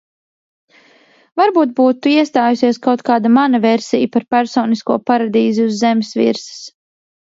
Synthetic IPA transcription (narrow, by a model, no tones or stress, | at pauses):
vaɾbuːt̪̚buːt̪uiɛst̪aːjusiɛskawt̪kaːd̪amanɐvɛɾsijpaɾpæɾsɔːniskuɔpaɾad̪iːziuzːɛmʲɪsvḭɾsə̥s